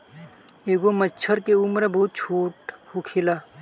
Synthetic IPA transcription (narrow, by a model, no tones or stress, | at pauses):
eːɡoməːt͡ʃʰəɾkeʊmɾboːt̪̚t͡ʃʰoːʈhokʰilaː